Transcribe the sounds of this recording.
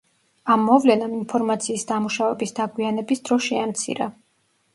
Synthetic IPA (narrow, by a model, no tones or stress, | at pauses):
amːɔvlɛnaminpʰɔɾmat̪sʰiːsd̪amuʃavɛbisd̪aɡwianɛbisd̪ɾɔʃɛamt̪sʰḭɾa